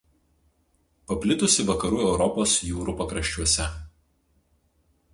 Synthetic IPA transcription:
pɐpʲlʲɪt̪ʊsʲɪʋɐkɐɾuːɛʊɾɔpoːsjuːɾuːpɐkɾɐʃʲt͡ʃʲuɔsʲɛ

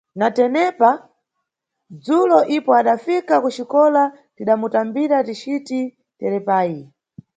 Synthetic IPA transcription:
natɛnɛpa | d͡zulɔʔipɔaɗafikakut͡ʃikɔla | tiɗamutambiɾatit͡ʃiti | tɛɾɛpaːji

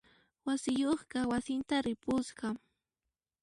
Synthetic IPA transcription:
wasɪjoχɢɑwasɪnt̪aɾɪpʊsɢɑ

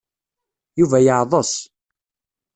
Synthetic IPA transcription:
juvæjəʕðˤəs

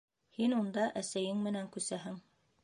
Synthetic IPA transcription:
hinund̪ɑʔæsæjɘŋmɘ̆næŋkʉsæɦɘŋ

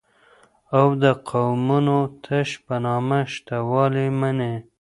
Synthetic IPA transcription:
awd̪əqʰawmunot̪ʰəʃpanɑmaʃt̪awɑlemane

